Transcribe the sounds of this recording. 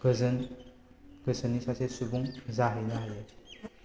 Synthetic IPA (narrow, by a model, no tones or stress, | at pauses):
ɡzn | ɡ̥əsənisasesubuŋzaɦəjnaɦajai̥